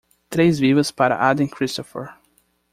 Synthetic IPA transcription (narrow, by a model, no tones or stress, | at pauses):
t̪ɾejzvivɐspaɾɐ̰ʔad̪ɪ̃nkʰɾist̪ɔfə̰ɹ